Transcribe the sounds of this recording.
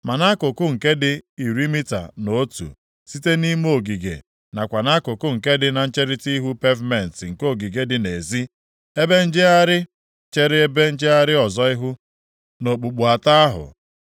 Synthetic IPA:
ma˨na˦kʊ˨kʊ˦ŋ̩˨ke˦dɪ˦i˨ɾi˦mi˦ta̰˨no˨o˦tṵ˨ | si˦te˦ni˦m˦o˨ɡi˨ɡḛ˨ | na˨kʷa˨na˦kʊ˨kʊ˦ŋ̩˨ke˦dɪ˦na˨n̩˦t͡ʃe˦ɾɪ˦ti˦ɦu˦pe˦vme˨n̩˨tŋ̩˨ko˦˨ɡi˨ɡe˨dɪ˨ne˨zi˦ | e˦be˦n̩˦d͡ʒɪ˦a˦ɾɪ˦ | t͡ʃe˦ɾɪ˦e˦be˦n̩˦d͡ʒɪ˦a˦ɾɪ˦ɔ˨zɔ˦ɪ˦ɦʊ˦ | no˨k͡pu˨k͡pu˨a˨ta˦a˦ɦʊ̰˨

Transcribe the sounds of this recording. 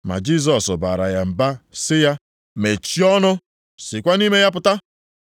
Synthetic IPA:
ma̰˨d͡ʒi˦˨s̬ɔ˨sʊ˨ba̰˨ɾa̰˨ja˨m̩˨ba˦sɪ˦ja˦ | me˨t͡ʃi˦ɔ˦nʊ˦ | sɪ˨kʷa˦ni˦me˦ja˦pʊ˨ta˦

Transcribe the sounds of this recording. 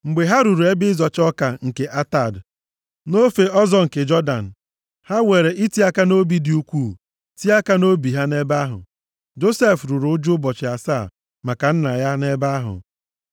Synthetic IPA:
ŋ͡m̩˨ɡ͡be˨ɦa˦ɾu˨ɾu˨e˦bɪ˦zɔ˨t͡ʃɔ˦ka˨ŋ̩˨ke˨ʔa˦ta˨d | no˦fe˨ɔ˦zɔ˦ŋ̩˨ke˨d͡ʒɔ˦da̰˨n̩˨ | ha˦we˨ɾe˨i˦ti˦a˦ka˦no˦bi˦di˨u˦kʷu˦˨ | ti˦a˦ka˦no˦bi˨ɦa˦ne˦ba˦ɦʊ̰˨ | d͡ʒo˦se˦fɾu˨ɾʊ˨˦ʊ˦d͡ʒʊ˦bɔ˨t͡ʃɪ˨a˨sa˦˨ | ma˨ka˨n̩˦na˨ja˦ne˦ba˦ɦʊ̰˨

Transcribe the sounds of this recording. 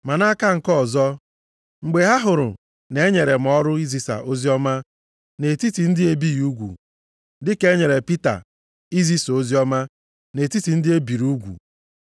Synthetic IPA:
ma˨na˦ka˦ŋ̩˨kɔ˦˨zɔ˦ | ŋ͡m̩˨ɡ͡be˨ɦa˦ɦʊ˨ɾʊ̰˨ | ne˨e˦ɲe˨ɾe˨m̩˨ɔ˦ɾʊ˦i˦zi˨sa̰˨ʔo˦zi˦ɔ˦ma˦ | ne˨ti˦ti˨n̩˦dɪ˦e˦bi˦ju˦ɡʷṵ˨ | dɪ˦ke˦ɲe˨ɾe˨pi˦ta̰˨ | i˦zi˦so˦zi˦ɔ˦ma˦ | ne˨ti˦ti˨n̩˦dɪ˦e˦bi˨ɾu˦ɡʷṵ˨

